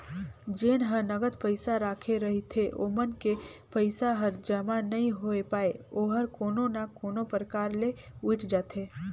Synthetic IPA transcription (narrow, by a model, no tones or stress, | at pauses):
d͡ʒeːnɦənəɡət̪pəɪsaɾaːkʰeɾəɦit̪ʰeʔo̰ːmənkepəɪsaɦəɾd͡ʒəmanɐɦĩɦoepaːeoːɦəɾkoːnonakoːnopɾəkaːɾleʊɪʈʰd͡ʒaːt̪ʰeː